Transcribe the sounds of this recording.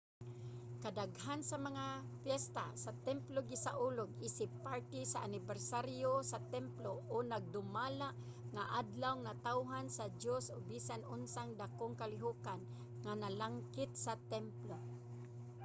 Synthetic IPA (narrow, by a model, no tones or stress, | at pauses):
kad̪aɡhansamaŋafjɛst̪a̰sat̪ɛmploɡɪsaʔuloɡisɪpːaɹt̪ɪsaʔanɪbɛɾsaɾjosat̪ɛmploʔonaɡ̚d̪ʊmalaʔ | ŋaʔad̪lawŋnat̪awɦansadjosoɡ̚bisanʊnsaŋd̪akʊŋkalɪɦukan | ŋanalaŋkɪt̪̚sat̪ɛmplo